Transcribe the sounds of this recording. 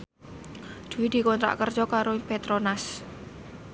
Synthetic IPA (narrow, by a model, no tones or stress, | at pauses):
d̪̥ṳwid̪̥i̤kɔnt̪ɾa̰ʔkərd͡ʒɔkaɾopet̪ɾonas